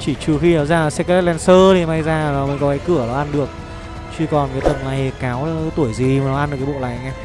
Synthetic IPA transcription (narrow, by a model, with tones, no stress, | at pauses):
t͡ɕi˧˩t͡ɕu˨˩xi˧aː˨˦zaː˧˩˨sɛ˧˥k̚ːlɛ˧nsəː˧t̪ʰi˨˩ma˧jzaː˧˨nɔ˨˦mə˧˨˧ŋkɔ˨˦kaː˨˦jkɨ˧˩ənɔ˨˦ʔa˧nɗɨ˨˩ək̚ | t͡ɕi˧kɔ˨˩nkaː˨˦jt̪ə˨˩mlaː˨˦jkaː˨˦wt̪u˧˩əjzi˨˩maː˨˩nɔ˨˦ʔa˧nɗɨ˨˩kːa˨˦o̰˧˨la̰ː˧˨˦jɲa˧